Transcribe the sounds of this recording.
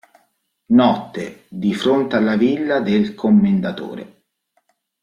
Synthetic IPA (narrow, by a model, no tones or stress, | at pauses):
nɔt̪ːed̪ifɾont̪ealːavilːad̪elkʰomːend̪at̪o̰ːɾḛ